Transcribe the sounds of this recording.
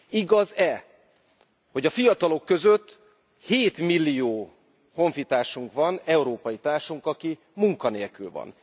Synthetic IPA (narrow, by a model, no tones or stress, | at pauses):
iɡɒzɛ | ho̞ɟɒfijɒt̪ɒlo̞kːø̞zøt̪ː | heːt̪milːijoː | ho̞ɱfit̪aːʃuŋkʋɒnɛuɾoːpɒjit̪aːrʃuŋkɒki | muŋkɒneːlkylvɒ̰n